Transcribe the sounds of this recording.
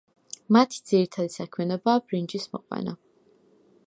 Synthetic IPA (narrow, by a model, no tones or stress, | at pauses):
mat̪ʰi̥d̪z̥iɾit̪ʰad̪isakʰmjɛnɔbaːb̥ɾind͡ʒismɔ̰qʼwɛ̰na